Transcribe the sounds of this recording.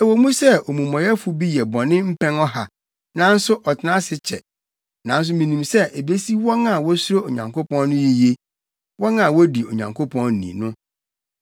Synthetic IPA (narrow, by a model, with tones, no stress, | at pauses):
ɛ˨wo˨mũ˦sɛ˦o˨mũ˨mɔ̃˨jɛ˦fʊ˦bi˦jɛ˨bɔ˨nɪ̃˦m̩˦pʰɛ̃˦nɔ˦ɦa˨ | nã˦n̩˦sʊ˦ʔɔ˨tʰɪ˨nã˦sɪ˦t͡ɕʰɛ̰˨ | nã˨n̩˦s̬ʊ˦mĩ˨nĩ˨msɛ˦ʔe˨be˦si˦wɔ˦nã˦˨wɔ˦sʊ˦ɾo˦o˨ɲã̰˨ŋkʰo˦pɔ̃˦nːʊ̃˦ji˦je˦ | wɔ̃˦nã˨wɔ˦di˨o˨ɲã̰˨ŋkʰo˦pʰɔ̃˦n̩˦nḭ̃˨nʊ̃˦